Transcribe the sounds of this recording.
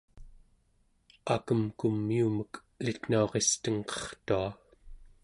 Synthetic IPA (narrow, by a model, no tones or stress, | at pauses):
akəmkumːiumək | lit̪n̥uoʁest̪əŋqʌ̥χt̪ua